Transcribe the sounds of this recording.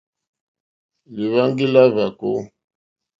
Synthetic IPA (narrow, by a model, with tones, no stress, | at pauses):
li˨βa˦ŋɡi˦la˦va˨ko˦